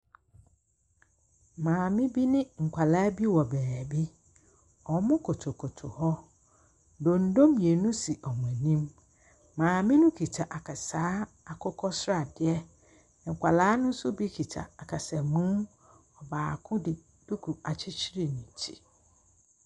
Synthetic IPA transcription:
mãː˨mɪ̃˦bi˦nɪ̃˦ŋ̩˨kʰʷa˨laː˦bi˦wɔ˨bɛː˨bi˦ | ɔ˨˦mʊ̃˦kʰo˨tʰo˨kʰʊ˨tʰʊ̰˨hɔ˦ | dõ˨n̩˦dõ˦mje˨nũ˦si˨ʔɔ˨m˨ɛ̃˨nĩ˦mː | ãː˨mɪ̃˦nʊ̃˦kʰi˨tʰa˨ʔa˨kʰa˨saː˦ | a˨kʰɔ˦kʰɔ˦sɾa˨dɪ˦ɛ˦˨ | ŋ̩˨kʷʰa˨laː˦nʊ̃˦sʊ˦bi˦kʰi˨tʰa̰˨a˨kʰa˨sa˨mũ˦m | ɔ˨baː˨kʰʊ̃˦dɪ˨ | d̥u˦kʰu˨a˨t͡ɕʰɪ˦t͡ɕʰi˦ɾi˨nĩ˨tʰi̥̰˦˨

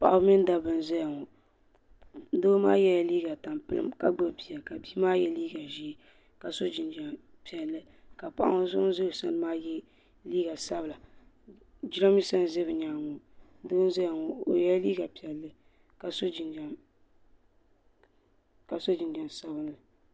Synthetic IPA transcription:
pa̰˨ʔa˦bmi˦n˦da˨bɨ˨n˦za˦ja˨ŋɔ˨ | n˦doː˦ma̰ː˦jɛ˦ja˨liː˦ɡa˨ta˨mpɨ̰˨lɨ̰˦mka˦ɡ͡ba˦bi˨a˨ka˨bi˦maː˦jɛ˦liː˦ɡa˨ʒi˦˨ | ka˨so˦d͡ʒɪ˨nd͡ʒa˨ | pi˨ɛ˨lːɨ˦ | ka˨pa˨ʔa̰˦ŋo˦zʊ˦ʔʊ˦n˦zɨ˦bsa˦nɨ˦maː˦jɛ˦ | liː˦ɡa˨sa˦bɨ˨la˨ | d͡ʒi˦ɾa˦mi˦sa˦n˦zɨ˦bɨ˨ɲaː˨ŋɔ˨˦ | doː˦n˦za˦ja˨ŋɔ˨o̰˨jɛ˦liː˦ɡa˨pi˨ɛ˨lːɨ˦ | ka˨so˦d͡ʒi˨n˨ | ka˨so˦d͡ʒɪ˨nd͡ʒɛ˨n˨sa˦bɨ˨˦lɨ˨

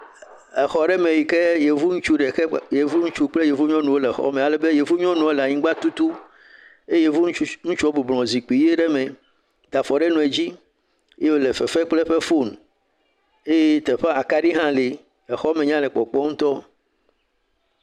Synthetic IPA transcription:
e˨xɔ˨ɖɛ˦mẽ˨wi˨ke˦je˨vu˦ŋũ˦t͡ʃu˦ɖe˨˦je˨vu˦ŋũ˦t͡ʃu˦k͡ple˦je˨vu˦ɲɔ̃˦nũ˨o˦le˨xɔ̰˦mẽ˨a˨lɛ˨be˦je˨vu˦ɲɔ̃˦nũ˨˦o˦le˨a˨ɲĩ˦ɡ͡ba˦t̪u˦t̪u˦ | e˦je˨vu˦ŋũ˦t͡ʃu˦ɔ˦bu˨blɔ̃˨zi˨k͡pi˨je˦ɖe˦mẽ˨ | d̪̥a˨fɔ˨ɖe˦nũ˨e˨d͡ʑi˦ | e˦je˦wo˦˨le˨fɛ˨fɛ˦k͡ple˦ɸe˦fo˦n | e˦je˦t̪e˨ɸa˦a˨ka˦ɖi˦ɦã˦li˨ | ɛ˨xɔ˦mẽ˨ɲã˦lɛ˨k͡pɔ˨k͡pɔ˦ŋ̩ũ˦t̪ɔ˦

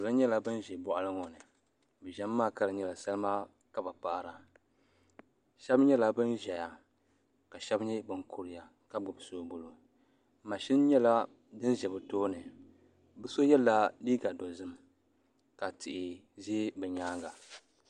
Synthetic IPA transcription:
ʊ˨lɨ˦ɲɛ˦la˦bɨ˦n˦ʒɛ˨bɔ˦˨ʔa˦lɨ˦ŋɔ˨nɨ˨ | bɛ˨ʒɛ˦mː˦aː˦˨ka˦ɾɨ˨ɲɛ˦la˨sa˦lɨ˦ma˦ | ka˦ba˨pa˦˨ɾa˨ | ʃɛ˦bɲɛ˦la˦bɨ˦nʒɛ˨ja˨ | ka˨ʃɛ˦bɲɛ˦bɨ˦ŋkʰu˦ɾɪ˨ja˨ | ka˦bʊ˨bsoː˦bʊ˨lo˨ | ma˨ʃi˦n˦ɲɛ˦la˦ | dɨ˦n˦ʒɛ˨bɨ˨toː˦nɨ˨ | bɨ˦so˦jɛ˦lːa˦liː˦ɡa˨dɔ˨zɨ˦m | ka˨tɪ˨ʔɪ˨ | zi˦bɨ˨ɲaː˦ɡa˨

